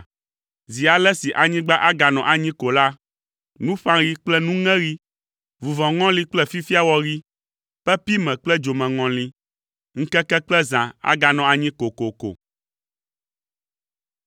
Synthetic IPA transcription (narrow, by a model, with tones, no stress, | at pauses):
zi˨a˨lɛ˦si˨ʔa˨ɲĩ˦ɡ͡ba˦ʔa˦ɡa˨nɔ̃˨ʔa˨ɲĩ˦ko˨la˦ | nũ˦ɸã˦ɾi˦k͡plɛ˦nũ˦ŋɛ̃˦ɾi˦ | vu˨vɔ̃˨ŋɔ̃˦li˦k͡plɛ˦fi˦fi˦a˦wɔ˦ɾi˦ | ɸɛ˦pi˦mɛ̃˨k͡plɛ˦d͡ʒo˨mɛ̃˨ŋɔ̃˨lĩ˨ | ŋ̩˦kɛ˦kɛ˦k͡plɛ˦zã˨a̰˦ɡa˨nɔ̃˨a˨ɲĩ˦ko˨ko˨ko̰˨